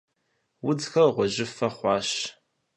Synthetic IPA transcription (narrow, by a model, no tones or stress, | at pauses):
wʊd͡zxɐʁʷɔʑɪfɐχʷɑːɕ